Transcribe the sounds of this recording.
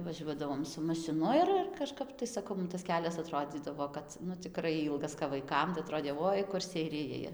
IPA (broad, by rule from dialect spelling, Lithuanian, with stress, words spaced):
ʋɐˈʒʲuɔdɐʋoːm sʊ mɐʃʲɪˈnʊ ɪr ɪr kɐˈʃkɐp tɐɪ sɐˈkɐʊ mʊm tɐs ˈkʲæːlʲɛs ɐˈtroːd͡zʲiːdɐʋoː ˈkɐt nʊ t͡sʲɪˈkrɐɪ ˈiːlˠɡɐs kɐp ʋɐɪˈkɐm tɐɪ ɐˈtroːdʲeː ˈʋoːɪ kʊr sʲɛɪˈrʲɪjɛɪ